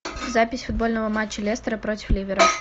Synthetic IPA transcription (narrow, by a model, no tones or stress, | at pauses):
zapʲɪsʲfʊd̪̚bo̞lʲnəvəmat͡ɕːəlʲest̪əɾəpɾotʲɪ̥flʲivʲɪɾə